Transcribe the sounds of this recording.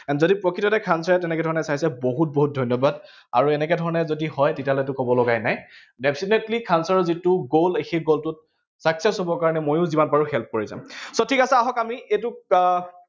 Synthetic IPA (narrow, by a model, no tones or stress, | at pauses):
ɛnzodipɹɔkʰitɔtɛkʰansɔɹɛtɛnɛkɛdʱɔɹɔnɛsaisɛboɦut̚boɦut̚dʱɔjnjɔbad | a̰ɹuɛnɛkɛdʱɔɹɔnɛzodihɔjtetiaɦlɛtʊkɔbɔlɔɡajnaj | dɛpʰsinetlikʰansɔɹɔzitʊɡolexeɡoltʊt̚ | saksɛsɦobɔkaɹɔnɛmojʊ̃zimanpaɹuxɛlp̚koɹizã̰msɔtʰikasaaɦɔkamiʔetʊ